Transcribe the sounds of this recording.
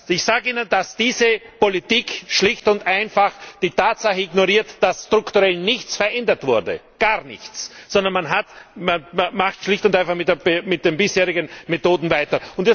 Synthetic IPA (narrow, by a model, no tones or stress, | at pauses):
ɪçsaːɡəiːnəndasd̥iːzəpolitiːkʃlɪçtʊntʔaɪnfaχd̥iːtaːtsaχəɪɡnoʁiːɐtd̥asstʁ̥ʊktuʁɛlnɪçt͡sfɛɐʔɛndɐtv̥ʊɐdə̰ | ɡ̥aːʁnɪ̰çt͡ssɔndɐnmanɦatmanmaχtʃlɪçtʊndaɪnfaχmɪtdeɐbmɪt̚d̥enbɪsheːʁɪɡənmetoːdn̩vaɪtɐʊndɛ